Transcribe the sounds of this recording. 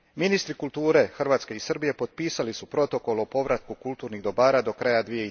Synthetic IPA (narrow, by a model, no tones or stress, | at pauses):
minist̪ɾikulˠt̪uːɾe̞xr̩ʋaːt̪ske̞isr̩bije̞po̞d̪̚piːsalisupɾo̞t̪o̞ko̞lopo̞ʋɾat̪̚kukulˠt̪uːɾniɣd̪o̞baːɾad̪o̞kɾajad̪ʋije̞